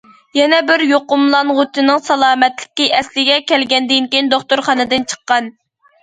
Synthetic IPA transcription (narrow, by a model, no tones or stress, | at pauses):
jɛnɛbɪɾjoqʊmlˠɑnʁot̪ʰɨnɨŋsɑlˠɑːmɛt̪lɪ̥kʲiʔɛslɪɡʲɛkʲʰɛlɡʲɛnd̪ɪnkʲind̪oχt̪ʊɾχɑnɨd̪ɨnt͡ʃʰə̥qːɑn